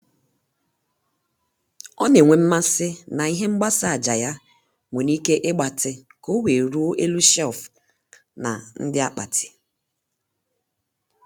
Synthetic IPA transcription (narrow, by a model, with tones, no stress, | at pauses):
ɔ˦ne˨ŋʷe˨m̩˦ma˦sɪ˦na˨i˦ɦe˦ŋ͡m̩˦ɡ͡ba˦sa˨a˨d͡ʒa˨ja˦ | ŋʷe˨ni˦ke˦ʔɪ˦ɡ͡ba˨tɪ˨ | ko˦we˨ɾu˦o˦ʔe˦lu˦ʃɛ˦˨lf | na̰˨n̩˦dɪ˦a˦k͡pa˨tʰɪ̥˨